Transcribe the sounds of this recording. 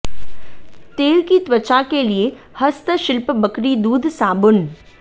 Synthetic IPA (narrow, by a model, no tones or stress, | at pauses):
t̪eːlkit̪ʋət͡ʃakelie | hɐst̪əʃɪlpbəkɾid̪uːd̪ʱsaːbʊn